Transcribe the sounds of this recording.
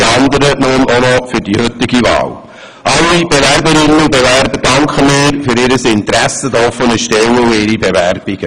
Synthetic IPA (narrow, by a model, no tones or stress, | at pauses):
ɑnd̪əɾənunʔonɔfyɾdihʏt̪ɪɡivɑ̰ːl | ʔɑlːib̥evæɾbəɾɪnːənʊbevæɾbəɾd̥ɑŋkχəmɪːɾfyɾɪɾəsɪnt̪ɾæsəd̪ɔfənəʃtɛwəuɪɾibeværb̥ɪɡ̥ə